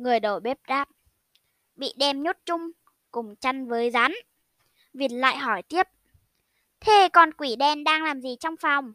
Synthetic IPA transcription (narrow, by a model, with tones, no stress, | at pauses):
ŋɨ˨˩əjɗo˧˩ɓe˦˥p̚ɗaː˦˥p̚ | ɓḭ˧˨ɗɛ˧˩mɲo˦˥t̚t͡ɕʊ˧ŋ͡m | kʊ˨˩ŋ͡mt͡ɕa˧jŋvəː˨˦jza˨˦n | vi˨˩n̚la̰ː˧˨jɦɔ˧˩jt̪i˦˥əp̚ | t̪ʰe˨˩kɔ˨˩nkwi˧˩ɗɛ˧nɗaː˧ŋlaː˨˩mzi˨˩t͡ɕɔ˧wŋ͡mfa˨˩wŋ͡m